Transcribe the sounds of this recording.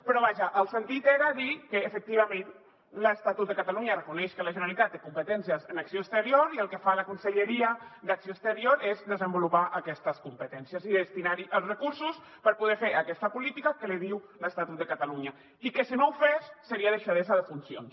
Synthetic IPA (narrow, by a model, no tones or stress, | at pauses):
pəɾɔβ̞aʒəʔːlˠsənt̪it̪eɾaðikəːfək̚t̪iβ̞amẽn | ləst̪at̪ut̪d̪əkat̪aluɲərəkunɛʃkələʒənəlit̪at̪̚ːekumpət̪ɛnsiəzənaksjoəst̪əɾioɾiəlˠkəfaləkunsəʎəɾiəd̪aksijoəst̪əɾioɾezd̪əzəmbulupaʔəkɛst̪əskumpət̪ɛnsjəziðəst̪inaɾiʔəlˠsrəkuɾsus | pəɾpuðɛfeɾəkɛst̪əpulit̪ikakəleðiw | ləst̪at̪ut̪̚d̪əkat̪aluɲa | ikəsinowfesːəɾiaðəʃaðezaðəfunsjo̰ns